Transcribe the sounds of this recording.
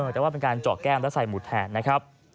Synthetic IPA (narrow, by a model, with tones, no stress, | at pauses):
əː˧t̪ɛː˨˩waː˥˩pe˧nkaː˧nt͡ɕɔː˨˩kːɛː˥˩˨mplsa˨˩jmu˨˩t̪̚ʰhɛː˨˩t̪̚na˦˥kʰɾa˦˥p̚